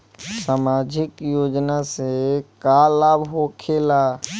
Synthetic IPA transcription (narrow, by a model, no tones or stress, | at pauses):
saːmaːd͡ʒɪkjoːd͡ʒnasekalaːbɦokʰeːlaː